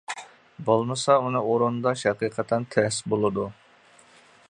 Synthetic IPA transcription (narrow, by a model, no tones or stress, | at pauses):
bolˠmɨsɑunɨoɾund̪ɑʃɛqiqʰət̪ʰːɛnt̪ʰɛsbolˠɨd̪u